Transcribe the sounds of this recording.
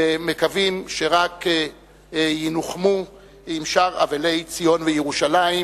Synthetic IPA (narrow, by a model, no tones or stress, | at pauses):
mekavimʃeʁak | jinuχmu | imʃaʁa̰vale̞jt͡sijo̞nvejeʁuʃalai